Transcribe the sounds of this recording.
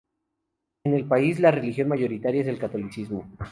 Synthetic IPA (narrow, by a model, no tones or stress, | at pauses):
ene̞lpaislare̞lixjo̞nmaʝo̞ɾit̪aɾjaese̞lkat̪o̞lisizmo